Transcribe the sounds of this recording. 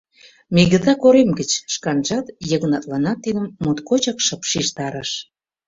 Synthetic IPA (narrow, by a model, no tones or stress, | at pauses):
miɣə̆zɑkoɾemɡət͡ɕʃkɑnʒɑt̪jə̆ɣnɑt̪lɑnɑt̪ːid̪əmːut̪kot͡ɕɑkʃɤ̆pʃiʃt̪ɑɾə̆ʃ